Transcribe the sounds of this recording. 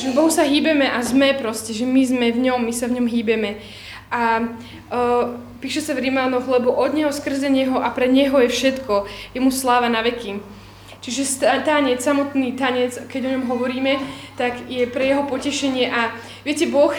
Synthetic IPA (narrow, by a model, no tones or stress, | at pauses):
ʒɛbɔɦusaɦiːbɛmɛʔazmɛpɾɔscɛʒɛmizmɛvɲɔmːisavɲɔmɦiːbɛmɛ | ʔa | piːʃɛsavɾimaːlnɔɣlɛbɔʔɔd̪ɲɛɦɔskr̩zɛɲɛɦɔʔapɾɛɲɛɦɔjɛfʃɛt̪kɔjɛmuslaːʋanaʋɛki | t͡ʃiʒɛst̪at̪aɲɛt͡ssamɔt̪niːt̪aɲɛt͡skɛɟɔɲɔmɦɔʋɔɾiːmɛt̪aɡjɛpɾɛjɛɦɔpɔcɛʃɛɲɪɛʔa | ʋɪɛcɛbɔx